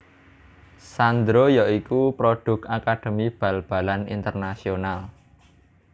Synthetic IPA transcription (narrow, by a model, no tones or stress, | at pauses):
sand̪ɾojaikupɾoɖ̥ʊ̤kakaɖ̥ə̤mib̥a̤lb̥a̤lanḭnt̪ərnasional